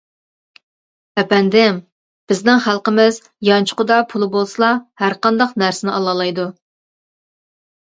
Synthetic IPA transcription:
ɛpɛnd̪ɪm | b̥ɪznɪŋχælˠqəmɪz | jɑnt͡ʃʰʊ̥qʊd̪ɑpʰulˠɨbolˠsɨlˠɑhæɾqɑnd̪ɑqnæɾsɪnɪʔɑlˠɑlˠɑjd̪u

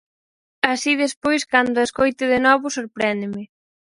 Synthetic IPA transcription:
asiðespojskand̪ʊeskojt̪ɪðenɔβʊsoɾpɾɛnd̪ɪmɪ

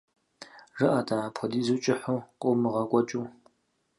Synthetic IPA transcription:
ʐɨʔadʰaapʰɔdiːzuːt͡ʃʼɪħuqʷʼomɨʁɐkʷʼɔt͡ʃʼuː

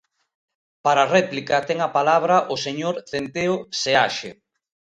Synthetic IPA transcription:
paɾarɛplikɐt̪ɛŋapalaβ̞ɾaʔʊseɲoɾθent̪eoseaʃḛ

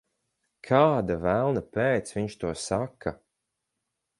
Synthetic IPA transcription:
kʰaːd̪avælˠnapeːt̪sviɲʃt̪uɔsakʰːa̰

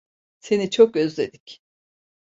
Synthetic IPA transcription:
se̞nit͡ʃʰok̚øzlʲe̞d̪ic

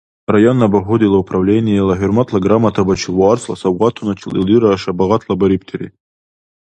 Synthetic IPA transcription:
rajonːabaħʷʊd̪ilaupʰravlʲenʲijelaħʏrmatʰlaɡramatʰabat͡ʃʰɪlwaarsla̰sawʁatʰunat͡ʃʰilḭliɾaʂabaʁatʰlabaɾʲipʰtʰeɾḭ

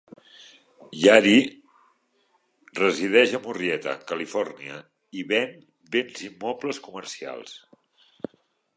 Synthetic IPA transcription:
jaɾi | rəziðɛʒəmuriɛt̪ə̰kəlifɔrniə̰ | iβɛm | benzimːɔpləskuməɾsia̰lˠs

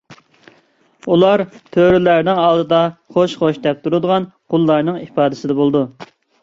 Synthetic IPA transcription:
ulˠɑɾt̪ʰøɾylæɾnɪŋɑlˠd̪ɨd̪ɑχoʃχoʃd̪ɛp̚t̪ʰuɾud̪əʁɑnqʰʊlˠːɑɾnɨŋipɑːd̪ɪsɪd̪ɛbolˠd̪u

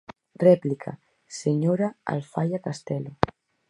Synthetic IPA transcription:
rɛplikʰa̰ | seɲoɾaa̰lfajakast̪ɛlo

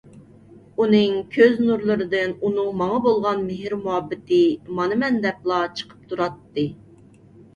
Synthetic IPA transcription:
unɨŋkʲʰøznuɾlˠɨɾɨd̪ɨnunɨŋmɑŋɑbolˠʁɑnmɪɦɪɾmuɦɑbːɪt̪ɨmɑnɨmɛnd̪ɛplˠɑt͡ʃʰə̥qʰə̥p̚t̪ʰuɾɑt̪ːɨ

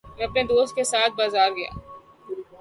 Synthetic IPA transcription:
mɛ̃ɐpned̪oːst̪̚kesaːt̪̚ʰbaːzaːɾɡɐja̰ː

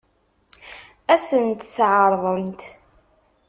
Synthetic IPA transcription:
æsənt̪θʕəɾˤðˤənt̪

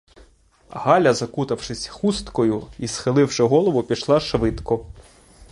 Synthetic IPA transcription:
ɦɑlʲɐzɐkut̪ɐwʃɪsʲxust̪kɔjʊisxɪlˠɪwʃɛɦɔlˠɔʋʊpʲiʃlˠɑʃʋɪd̪kɔ

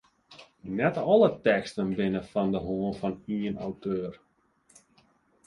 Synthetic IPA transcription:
nɛtɔlətɛkstənbɪnəfɔndəɦoənfɑniəna̰wtʰøːr

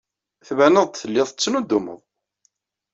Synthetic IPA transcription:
θvænəðˤt̪θəlːɪðˤət͡sːənud̪ʊmə̰ðˤ

